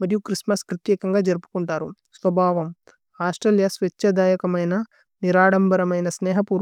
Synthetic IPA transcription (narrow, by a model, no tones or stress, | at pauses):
mɐɾijukɾismɐspɾɐt̪jɛːkɐŋɡaːd͡ʒɐɾpu̥kuɳʈaːɾu | sʋɐbʱaːʋɐm | aːsʈɾeːljasʋet͡ʃːɐd̪aːjɐkɐmɐjnɐ | niɾaːɽɐmbɐɾɐmɐjnɐsnɛːɦɐpuːɾ